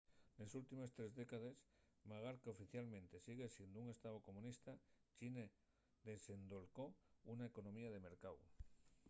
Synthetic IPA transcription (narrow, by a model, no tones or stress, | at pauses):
ne̞sult̪ime̞st̪ɾe̞zðe̞kað̞e̞s | maɣ̞aɾkeo̞fiθjalmẽnt̪e̞siɣe̞sje̞nd̪ouŋe̞st̪aβoko̞mũnist̪at͡ʃine | ðe̞se̞nd̪olkounaeko̞no̞miaðe̞me̞ɾkaw